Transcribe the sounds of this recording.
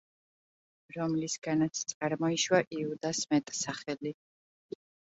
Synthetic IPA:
ɾɔmlisɡ̥anat̪sʰt̪sʼaɾmɔiʃwaʔiud̪asmɛt̪ʼsaχɛli

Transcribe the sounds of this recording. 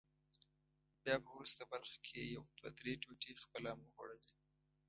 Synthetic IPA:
bjɑpəwɾust̪abaɾxkʰejawd̪wa̰d̪ɾeʈoʈexpəlamuɣwa̰ɽədi

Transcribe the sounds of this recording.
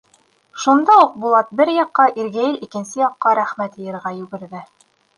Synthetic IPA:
ʃund̪ɑuq̚bulˠɑt̪̚bɘɾjɑqːɑʔiɾɡæjɘlikɘ̆nsɘjɑqːɑɾæχmæt̪ɤ̆jɤ̆ɾʁɑjʉɡɘ̆ɾðɘ

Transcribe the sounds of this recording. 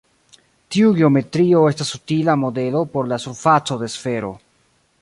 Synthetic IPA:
tiuɡeo̞me̞tɾio̞e̞stasutilamo̞de̞lo̞po̞ɾlasuɾfat͡so̞de̞sfe̞ɾo̞̰

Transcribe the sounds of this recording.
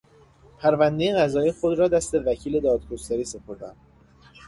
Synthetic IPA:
pʰæɾvænd̪ejeɣæzɒːjixod̪ɾɒːd̪æst̪e̞væcʰiːle̞d̪ɒːd̪̚ɡo̞st̪æɾiːse̞pʰo̞ɾd̪æ̰n

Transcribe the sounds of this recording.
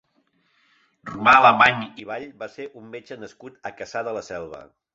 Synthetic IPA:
rumaːləmaɲiβ̞aʎbaseʔumːed͡ʒənəskut̪əkəsaðələsɛlˠβə̰

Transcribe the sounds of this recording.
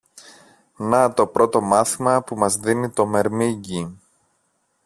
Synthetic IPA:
nɐt̪o̞pɾo̞t̪o̞mɐθimɐpumɐzðinit̪o̞me̞ɾmiɟi

